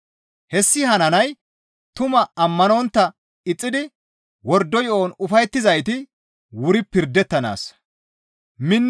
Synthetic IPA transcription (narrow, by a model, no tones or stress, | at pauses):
hɛsːɪhɐnɐnɐj | t̪ʊmɐɐmːɐnɔnt̪ːɐ | ɪt͡sʼːɪd̪ɪ | wɔɾd̪ːɔjɔʔoːnʊfɐjt̪ːɪzɐjt̪ɪ | wʊɾɪpɪɾd̪ɛt̪ːɐna̰ːs | mɪnː